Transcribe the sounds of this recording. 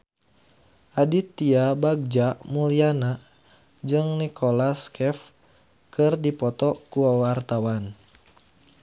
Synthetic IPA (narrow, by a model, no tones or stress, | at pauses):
ʔadit̪ːiabaɡ̚d͡ʒamuliana | d͡ʒɨŋnikʰolaskʰɛf | kʰɨrdipɔt̪ɔkuawart̪awan